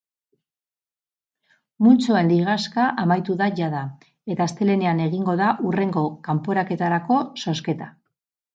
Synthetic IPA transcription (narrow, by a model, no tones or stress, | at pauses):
munt͡soe̞nliɣ̞askaʔamajt̪uðaʝaða | e̞t̪aːst̪e̞le̞ne̞ane̞ɣiŋɡo̞ðaʔure̞ŋɡo̞kampo̞ɾake̞t̪aɾako̞so̞ske̞t̪a